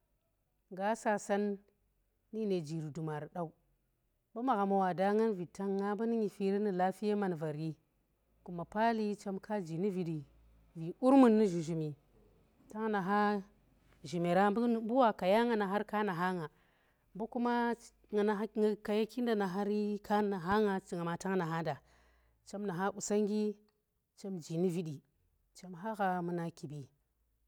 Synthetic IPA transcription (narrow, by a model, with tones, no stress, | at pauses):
ŋɡa˦sa˨sa˦nː | i˦ne˨d͡ʒi˨ɾu˨du˨ma˨ɾɗa˨u˦ | ba˦ma˨ɣa˨ma˨wa˨da˦ŋa˦nvi˨ta˦ŋːa˦ba˦ni˦ɲi˨fi˦ɾi˦ni˨la˦fi˦ja˦ma˨nva˨ɾi˦ | ku˨ma˨pa˦li˦t͡ʃa˦mkʰa˦d͡ʒi˨ni˦vi˨di˨ | vi˨u˦ɾmu˨nːi˦ʒu˨ʒu˨mi˨ | ta˦ŋ˦na˨ɦa˦ | ʒi˨me˨ɾa˦bbu˦wa˨ka˨ja˦ŋa˨na˨ɦa˦ɾka˦na˨ɦa˦ŋa˨ | mbu˦ku˦ma˦ | ŋa˨na˨˦ŋa˨ka˨ja˦ki˦n˦da˨na˨ɦa˦ɾi˦ka˦na˨ɦa˦ŋa˨ŋa˨ma˨ta˦ŋna˨ɦa˦da˨ | t͡ʃa˦mna˨ɦa˦u˨sa˦ŋɡi˦ | t͡ʃa˦md͡ʒi˨ni˦vi˨di˨ | t͡ʃa˦mɦa˦ɣa˨mu˨˦na˨ki˨bi˨